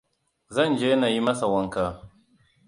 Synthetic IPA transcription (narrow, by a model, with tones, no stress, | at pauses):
zɐ˦˨nd͡ʒeː˦naː˨ji˦mɐ˦sa˨wɐ˦ŋkaː˦